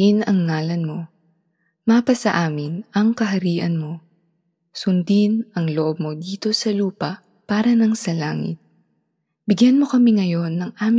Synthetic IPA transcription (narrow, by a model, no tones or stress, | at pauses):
inɐŋːaːlɐnmo̞ | maːpɐsɐʔaːmɪnʔɐŋkɐɦɐɾiːʔɐnmo̞ | sʊnd̪inʔɐŋloʔob̚mo̞d̪iːt̪o̞sɐluːpɐʔ | paːɾɐnɐŋsɐlaːŋɪ̰t̪̚ | bɪɡjanmo̞kɐmiŋɐjo̞nːɐŋʔaːm